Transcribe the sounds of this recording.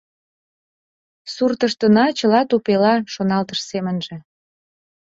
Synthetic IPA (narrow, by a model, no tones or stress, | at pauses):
surt̪əʃt̪ənɑt͡ɕəlɑt̪upelɑʃonɑlt̪əʃsemənʒĕ